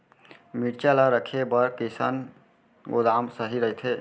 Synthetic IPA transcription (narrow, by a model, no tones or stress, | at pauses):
miʈt͡ʃalaɾəkʰebəɾkisa̰n | ɡod̪amsəɦiɾəɦjt̪ʰɦe